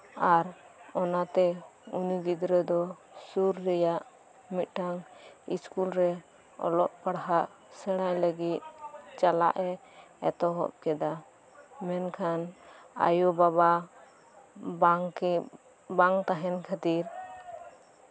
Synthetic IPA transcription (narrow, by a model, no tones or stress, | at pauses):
aɾɔnat̪ɛuniɡid̪ɾəd̪ɔ | suɾːɛjaʔ | mit̪̚ˀʈʰaŋḭskulɾɛ | ɔ̰lɔʔpaɽɦaʔ | sɛɽ̃ajləɡit̪̚t͡ʃala̰ʔɛɛt̪ɔɦɔ̰p̚kɛd̪a | mɛnkʰana̰jubaba | baŋt̪aɦɛnkʰat̪iɾ